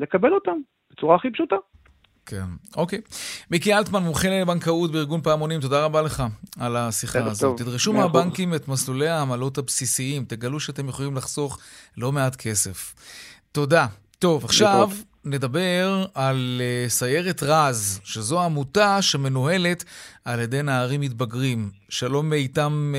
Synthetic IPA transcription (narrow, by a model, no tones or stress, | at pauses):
le̞kabelot̪am | b̥et͡suʁaːχipʃut̪a | kʰḛnʔokejmikialtmanmuχilebaŋkautbeiʁɡunpaːmonimt̬o̞daʁabale̞χaalasiχaazott̪ːidʁiʃumabaŋkimetmaslulejaːmalo̞thabsisiimteɡaluʃeate̞mjeχolimlaχz̥o̞χlo̞me̞atkʰe̞se̞fto̞da | to̞vaχʃav | ne̞dabe̞ʁalsaje̞ʁetʁazʃezo̞aːmutaʃeme̞noɦe̞le̞taljede̞jnaːʁimːit̚baɡʁimʃelo̞meitam